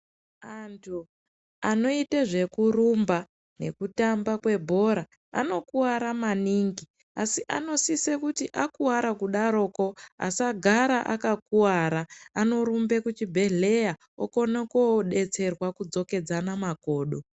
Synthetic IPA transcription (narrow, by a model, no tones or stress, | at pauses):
antʰu | ano̞iteʐe̞kurumba | ne̞kutambakwe̞bʱo̞ɾa | a̰no̞kuwaɾamaniŋɡi | asiʔano̞sisekutiʔakuwaɾakuɗaɾo̞ko̞a̰saɡʱaɾaʔa̰kakuwaɾaːno̞ɾumbe̞kut͡ʃibʱe̞ɮe̞ja | o̰ko̞nekoɗe̞t͡se̞rwakud͡zo̞ke̞d͡zanamako̞ːɗo̞